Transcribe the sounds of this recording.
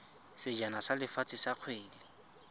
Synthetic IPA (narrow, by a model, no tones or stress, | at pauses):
sɪd͡ʒanasalɪfat͡sʼɪsaq͡χʰweːlɪ